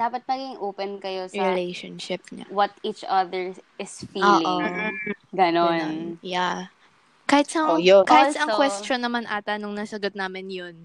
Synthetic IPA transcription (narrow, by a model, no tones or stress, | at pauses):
d̪̥aːpɐt̪̚nɐɡiŋʔoːpɛnkɐjosɹɪlɛjʃonʃɪp̚ɲɐ̰wɔt̪it͡ʃɐðɛɹɪsfioːlɪʔoŋɡɐnonja | kaːhɪt̪sɐŋokaːhɪt̪sɐŋkwɛst̪onːɐmanʔa̰ːt̪ɐnʊŋnɐsɐɡot̪̚naːmɪnjon